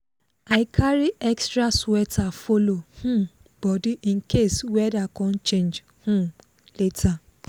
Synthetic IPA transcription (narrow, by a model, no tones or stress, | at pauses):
aɪkʰaɾiɛkstɾaswɛtʰafolohũ | b̥ɔdiʔĩn̩kʰeswɛdakɔ̃n̩t͡ʃẽnd͡ʒ | hũ | letʰa